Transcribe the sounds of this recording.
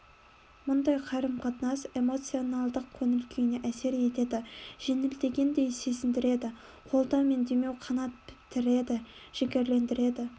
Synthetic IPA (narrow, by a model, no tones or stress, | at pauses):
mʊnd̪ɑjqʰɑɾəmqʰɑt̪ənɑse̞mo̞t̪sɨjo̞nɑlˠd̪əq̚kʲʰɵnɪlkʲʰejɪneʔæse̞ɾe̞t̪e̞d̪ɪʒ̥enɪld̪e̞ɡʲe̞nd̪e̞jse̞sɪnd̪ɪɾe̞d̪ɪ | qʰo̞lˠt̪ɑwme̞nd̪eme̞wqʰɑnɑt̪̚bɪ̥t̪ːɪɾe̞d̪ɪ | ʒ̥ekʲe̞ɾle̞nd̪ɪɾe̞d̪ɪ